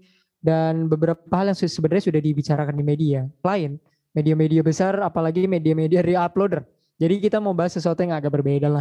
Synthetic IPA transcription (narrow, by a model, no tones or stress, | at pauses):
danbəbəɾapaɦaljaŋsəbənarɲasudahdibit͡ʃaɾakandimedialaɪn | mediamediabəsarapalaɡimediamediaɾiaplodər | d͡ʒadikit̪amaubaɦasːəsuat̪ujaŋɡaɡaʔbərbajɛdala